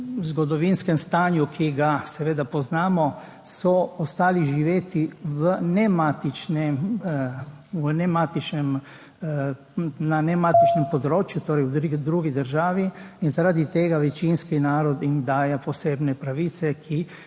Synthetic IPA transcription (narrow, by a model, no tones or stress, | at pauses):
wzɡɔd̪ɔʋinskɛmst̪aːnjukʰiɡasɛʋeːd̪apɔznaːmɔ | sɔɔst̪aːliʒiʋeːt̪iʋənɛmat̪it͡ʃnɛ | wnɛmat̪it͡ʃnɛm | nanɛmaːt̪it͡ʃnɛmpɔd̪ɾoːt͡ʃjut̪oːɾɛjwd̪ɾuːɡid̪əɾʒaːʋiinzaɾaːd̪it̪eːɡaʋɛt͡ʃinskinaːɾɔd̪ind̪aːjapɔseːbnɛpɾaʋiːt̪sɛkʰi